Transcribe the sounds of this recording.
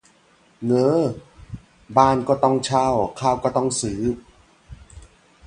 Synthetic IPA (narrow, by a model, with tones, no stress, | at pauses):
ŋɤː˧˥˩ | baː˧˩nkɔː˥˩t̪ɔ˥˩ŋt͡ɕʰa˧˩wkʰaː˧˩wkɔː˥˩t̪ɔ˥˩ŋsɯː˩˦